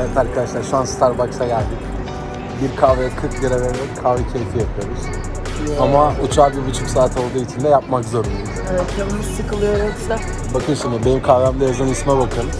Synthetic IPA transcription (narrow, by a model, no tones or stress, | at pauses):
ɛk̪ʰaɾkʰad̪aʃlˠaɾʃuanst̪ʰaɾbaksaɟælʲd̪ikʲ | biɾkʰavɾɛkʰɯɾkd̪iɾaɾeɾd̪ɛkʰavɾɛcʰejfijapʰɯoɾɯɾ̥ | amaut͡ʃʰaːbibyt͡ʃʰycsaːt̪ʰo̞lˠd̪uːit͡ʃʰind̪ɛjapmakzo̞ɾuniuzevɛt̪jamisɯkʰɯlˠɯjoɾud̪ɛ | bakʰɯjosunjabenimkʰavɾamd̪ajazɯnɯsmabakʰɯn